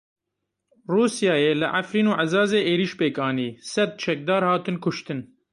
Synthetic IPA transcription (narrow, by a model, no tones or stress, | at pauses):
ruːsijɑːjeːlɨʔafɾiːnuːʕazɑːzeːʔeːɾiːʃpeːkɑːniːsɛd̪̚t͡ʃʰɛk̚d̪ɑːɾhɑːt̪ɨnkʰʊʃt̪ɨn